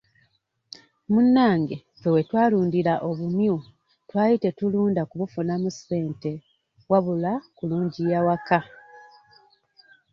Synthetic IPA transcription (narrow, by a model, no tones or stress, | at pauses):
munːaːŋɡe | fewe̞twaːluːndilaʔoβumju | twaːjite̞tuluːndakuβufunamuse̞ːnte̞ | waβulakuluːɲɟijawaka